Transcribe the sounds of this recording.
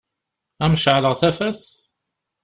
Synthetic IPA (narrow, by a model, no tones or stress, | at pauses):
æmʃʕləʁθæfæθ